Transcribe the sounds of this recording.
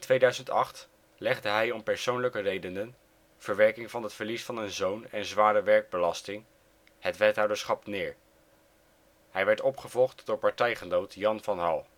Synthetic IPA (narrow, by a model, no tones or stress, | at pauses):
ɪntʋejdœɥzəntɑ̰χt | lɛχdəɦɛjɔmpɛɹsownləkərejdənən | v̥əɹʋɛɹkɪŋvɑnɦətfəɹlisfɑnənzownɛnzʋaːɾəʋɛɹɡ̚bəlɑstɪŋ | hətʋɛtɦɑwdəɹsχɑpnɪːɹ | hɛjʋɛɹtɔpχəvɔlˠχtd̥ʊːɹpɑɹtɛjχənowtjɑnvɑnɦɑlˠ